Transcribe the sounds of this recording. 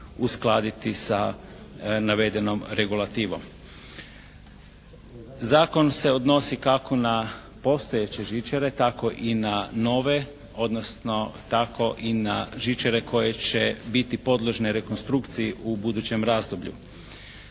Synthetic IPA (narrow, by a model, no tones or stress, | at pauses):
usklˠad̪it̪isa | naʋe̞d̪e̞no̞mɾe̞ɡulˠat̪iːʋo̞m | zaːko̞nse̞o̞d̪no̞sikako̞na | po̞st̪o̞jet͡ɕe̞ʒit͡ʃeɾe̞t̪ako̞ʔinano̞ʋe̞ | o̞d̪nosno̞t̪ako̞ʔinaʒit͡ʃaɾe̞kʰo̞jet͡ɕe̞bit̪ipo̞d̪lˠoʒneɾe̞konst̪ɾukt̪sijeubud̪uːt͡ɕe̞mɾaːzd̪o̞bʎṵ